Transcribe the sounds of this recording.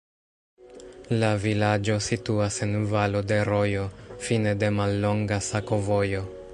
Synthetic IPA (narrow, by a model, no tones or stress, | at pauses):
lavilad͡ʒo̞situase̞nvalo̞de̞ɾo̞jo̞fine̞de̞malːo̞ŋɡasako̞vo̞jo̞